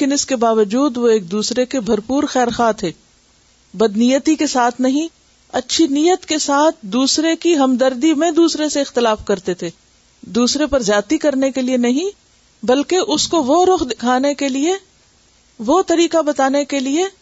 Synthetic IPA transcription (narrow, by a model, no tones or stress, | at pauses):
kɪnɪskebaːʋəd͡ʒuːd̪ʋoeːk̚d̪uːsɾekebʱɐɾpuːɾxɛːɾxaːt̪ʰeː | bɐd̪nijət̪ikesaːt̪ʰnɐɦĩ | ɐtːʃʰinijət̪kesaːt̪ʰd̪uːsɾekiɦɐmd̪ɐɾd̪imẽd̪uːsɾeseɪxt̪ɪlaːfkɐɾt̪et̪ʰeː | d̪uːsɾepɐɾzjaːt̪ikɐɾnekelienɐɦĩ | bɐlkeʔʊskoʋoɾʊxd̪ɪkʰaːnekelie | ʋot̪ɐɾiːkabɐt̪aːnekelie